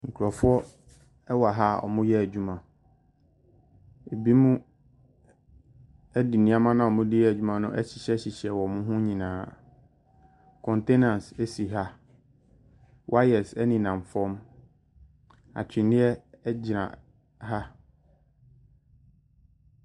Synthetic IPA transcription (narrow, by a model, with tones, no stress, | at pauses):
ŋ̩˨kʰu˨ɾɔ˨fʊ˦ɔ˦ | ɛ˦wa˨ɦa˦ɔ̰˨mʊ̃˦jɛ˦æ˨d͡ʑᶣu˦mã˨ | e˨bi˦mũ˦ | æ˦di˨nĩ˦a˦mã˦nã˨ɔ˨mʊ̃˦di˦ɛ˦˨æ˨d͡ʑᶣu˦mã˨nʊ̰̃˦ʔɛ̰˦ɕi˨ɕɛ˦ɕi˨ɕɛ˨wɔ˨mʊ̃˦ɦʊ̃˦ɲĩ˨nãː˨˦ | kʰɔ̃˨nte˦nã˨nse˦si˨ɦa˦ | wʔa˦ɛ˨sɛ˦nĩ˨nã˨m˨fɔ̃˦m | a̰˨t͡ɕʰᶣɪ˨nɪ̃˦ɛ˦d͡ʑɪ˨nã̰˨ | ɦa˦